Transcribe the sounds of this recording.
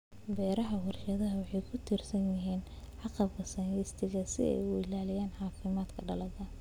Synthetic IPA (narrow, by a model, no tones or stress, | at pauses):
bɛːɾɐɦɐɦʊrʃɐðɐɦɐwɑħɑjkʰʊt̪ʰirsɐnjɪɦiːn | ʕɑqɐbkʰɐsɐnɪst̪ʰɪɣɐsɪ̰ɛ̰jʊɪlaːlɪjaːnħɑːfɪmaːd̪kʰɐɖɐlɐðɐ